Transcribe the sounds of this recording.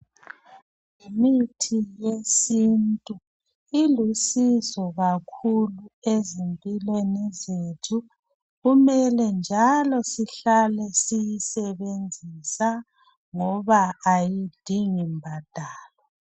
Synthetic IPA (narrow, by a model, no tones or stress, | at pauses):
imitʰijesintʼu | ilusizɔɣakʰuluezempʼilwenizetʰu | ɣumɛlɛnd͡ʒʱalɔsiɬalɛsijisɛβend͡zʱisa | ŋɔβaajid̥ʱiŋimbʱad̥ʱaːlɔ